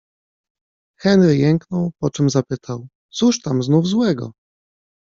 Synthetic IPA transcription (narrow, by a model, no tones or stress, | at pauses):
xɛnɾɘjɛŋknɔwpɔt͡ʂɛmzapɘt̪ʰaw | t̪suʂt̪amznuvzwɛɡɔ̰